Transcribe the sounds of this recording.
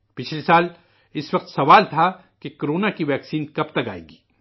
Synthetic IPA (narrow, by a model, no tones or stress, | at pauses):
pɪt͡ʃʰlesaːl | ɪsʋɐq̚t̪sɐʋaːlt̪ʰa | kekoɾoːnakiʋɛːksiːnkɐpt̪ɐka̰ːḛːɡiː